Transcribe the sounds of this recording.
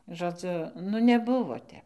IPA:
ʒoːˈd͡zʲʊ nʊ nʲɛˈbʊʋoː ˈtʲɛp

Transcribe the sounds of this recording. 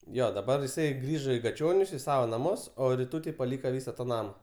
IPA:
ˈjoː dɐˈbɐr ɪˈsɐɪ ˈɡrʲiːʒoː iː ɡɐˈt͡ʃʲoːnʲʊs ɪ ˈsɑːʋoː nɐˈmʊs oː rʲɪˈtuːtʲɛɪ pɐˈlʲiːkɐ ˈʋʲiːsɐ tɐ ˈnɑːmɐ

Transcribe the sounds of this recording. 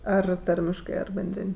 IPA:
ˈɐr ˈtɐrʲmʲɪʃkɜ ɐr bʲɛnʲˈdʲrʲɪnʲ

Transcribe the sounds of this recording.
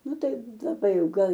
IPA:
ˈnʊ ˈtɐɪ lˠɐˈbɐɪ ˈjɛʊ ˈɡɐlˠ

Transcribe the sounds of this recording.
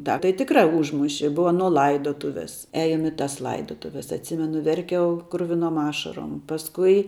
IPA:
ˈtɑː tɐɪ tʲɪkˈrɑː ˈʊʒmʊʃʲɪ ˈbʊʋɐ ɐˈnoː ˈlˠɐɪdoːtʊʋʲeːs ˈɛɪnʊ ɪ tɐs ˈlˠɐɪdoːtʊʋʲɛs ɐtʲˈsʲɪmʲɛnʊ ʋʲɛrʲˈkʲɛʊ krʊʋʲɪˈnoːm ˈɑːʃɐroːm pɐsˈkʊɪ

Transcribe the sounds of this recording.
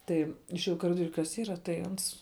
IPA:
ˈtɐɪ ɪʃʲeːˈjɛʊ ɪ kɐˈrʲɪdoːrʲʊ kɐs ˈiːrɐ tɐɪ ˈɐns

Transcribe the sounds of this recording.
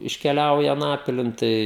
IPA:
ɪʃʲkʲɛˈlʲɛʊjɛ ɐˈnɑːpʲɪlʲɪn ˈtɐɪ

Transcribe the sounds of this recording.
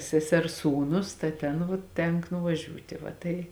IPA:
sʲɛˈsʲɛrs ˈsuːˌnʊs tɐ ˈtʲeːn ʋuɔ ˈtʲɛŋk nʊʋɐˈʒʲuːtʲeː ʋɐ ˈtɐɪ

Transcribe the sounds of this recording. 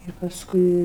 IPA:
ɪr pɐsˈkʊɪ

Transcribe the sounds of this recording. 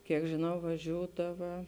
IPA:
kʲiɛk ʒʲɪˈnɐʊ ʋɐˈʒʲuːdɐʋɐ

